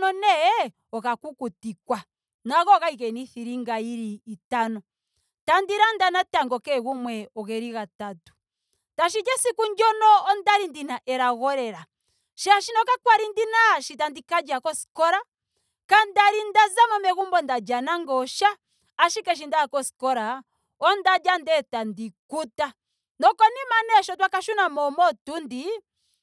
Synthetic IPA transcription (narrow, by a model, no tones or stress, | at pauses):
nɔnɛ | ɔkakukutikwa | naɣɔɣaikɛniθiɾiŋɡaiɾiːtanɔ | tandiɾandanataŋɡɔkɛɣumwɛɔɣɛɾiɣatatu̥ | taʃ̬id͡ʒɛsikuɲd͡ʒɔnɔːndaɾindinaʔɛɾaɣɔɾɛɾa | ʃaʃinɔkakwaɾindinaːʃitandikad͡ʒakɔsi̥kɔɾa | kandaɾindazamɔmɛɣumbɔndad͡ʒanaŋɡɔʃaː | ʃikɛʃ̬indaakɔskɔɾa | ɔndad͡ʒandɛtandikuta | nɔkɔnimanɛʃɔtwakaʃunamɔmɔtundi